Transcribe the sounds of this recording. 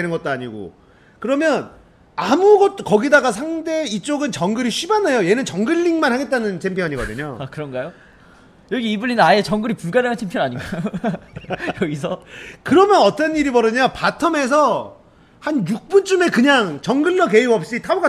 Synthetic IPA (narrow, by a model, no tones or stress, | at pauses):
enɯnɡʌt̚t͈oaɲiɡo̰ | kɯɾʌmjʌn | amuɡʌt̚kʌɡidaɡas̬ʰaŋde̞it͡ɕ͈oɡɯnt͡ɕʌŋɡɯɾiɕʰibanejoje̞nɯnt͡ɕʌŋɡɯʎːiŋmanhaɡe̞t̚t͈anɯnt͡ɕʰempʰjʌnaɲiɡʌdɯ̰ɲo̰akɯɾʌnɡajo | jʌɡiːbɯʎːinnaet͡ɕʌŋɡɯɾipuɭɡaɾaŋat͡ɕʰempʰjʌnaɲiɡajo | jʌɡisʰʌkɯɾʌmjʌnʌt͈ʌniɾibʌɾɯɲapatʰʌme̞s̬ʰʌ | hanjuk̚p͈unt͡ɕ͈ume̞kɯɲaŋt͡ɕʌŋɡɯɭːʌke̞jiʌp̚ɕ͈itʰauɡa